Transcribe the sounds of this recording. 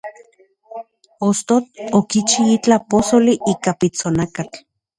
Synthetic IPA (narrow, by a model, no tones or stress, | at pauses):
ost̪ot̪okit͡ʃiit͡ɬaposoliʔikapit͡sonakat͡ɬ